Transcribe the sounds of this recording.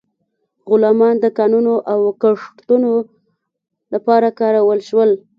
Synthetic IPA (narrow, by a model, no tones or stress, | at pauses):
ɣʊlɑmɑnd̪əkɑnunoʔawkəʂʈt̪uno | lapɑɾakɑɾawəlʃwəl